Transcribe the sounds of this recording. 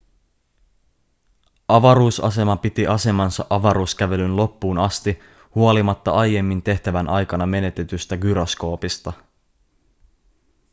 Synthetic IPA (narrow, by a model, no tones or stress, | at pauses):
ɑʋɑɾuːsɑ̰se̞mɑpit̪iʔɑse̞mɑnsɑ̰ʔɑʋɑɾuːskæʋe̞lynlo̞pːuːnɑst̪i | huo̞limɑt̪ːɑɑjːe̞mːint̪e̞ht̪æʋænʔɑjkɑnɑme̞ne̞t̪e̞t̪yst̪æɡyɾo̞sko̞ːpist̪ɑ